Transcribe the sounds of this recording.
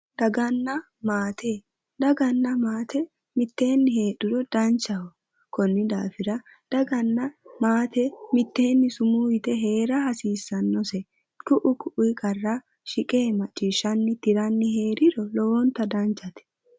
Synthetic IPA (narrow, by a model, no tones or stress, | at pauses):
d̪̥ɐɡɐnːɐ | maːt̪ʰeː | d̪ɐɡɐnːɐmaːt̪ʰɛ | mɪt̪ːe̞ːnːɪhe̞ːᶑɪdɔd̪̥ɐnt͡ʃɐhɔ | kɔnːɪd̪aːfɪɾɐ | d̪̥ɐɡɐnːɐmaːt̪ɛmɪt̪ːe̞ːnːɪsʊmuːjɪt̪ɛɦe̞ːɾɐhɐsiːsːɐnːɔsɛ | kʊʔʊkʊʔʊjkʼɐrːa | ʃɪkʼeːmɐt͡ʃʼːiːʃːɐnːɪt̪ɪɾɐnːɪɦe̞ːɾɪdɔlɔwɔnt̪ɐd̪ɐnt͡ʃːɐt̪ɛ̥